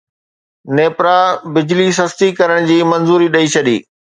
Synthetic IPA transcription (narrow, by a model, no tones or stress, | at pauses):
neːpɾabɪd͡ʑlis̬ɐst̪ikɐɾəɽ̃d͡ʑiːmɐnzuːɾiɗɐit͡ɕʰɐɗḭː